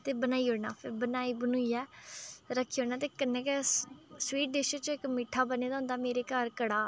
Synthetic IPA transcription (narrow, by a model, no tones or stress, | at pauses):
t̪eːbənaːiːoːɽnaːpʰɪɾbənaːiːbənuːiːɛːɾəkʰːiːoːnaːt̪eːkənːeːkɛswiːʈ̚ɖeːʃət͡ʃõːɪkmiːʈʰːaːbəneːd̪aːʊ̃nd̪aːmeːɾeːkəɾkəɽaː